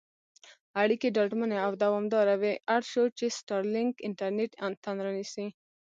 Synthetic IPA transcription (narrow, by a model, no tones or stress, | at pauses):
aɽikeɖaʈməneawd̪awɔmd̪ɑɾaweʔaɽʃot͡ʃesʈaɾlɪŋkɪɳʈaɾneʈant̪ʰanɾanisi